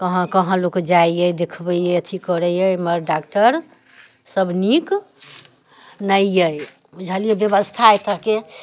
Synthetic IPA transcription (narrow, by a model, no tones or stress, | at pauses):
kəɦə̃kəɦə̃lokd͡ʒaijəjd̪ekʰbəjəət̪ʰikəɾəjəjməɾɖakʈəɾ | səbnik | nəijəj | d͡ʒʱəlijebjəbəst̪ʰaet̪əɦke